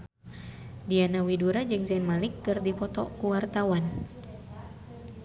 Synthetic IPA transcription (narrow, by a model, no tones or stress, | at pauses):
dianawiduɾad͡ʒɨŋzɛnmalɪkːɨrdipɔt̪ɔkuwart̪awan